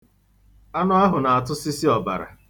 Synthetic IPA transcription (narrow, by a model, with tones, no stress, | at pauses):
a˦nɔ˦a˦ɦʊ˨na˨a˨tʊ˦si˦si˦ɔ˨ba̰˨ɾa̰˨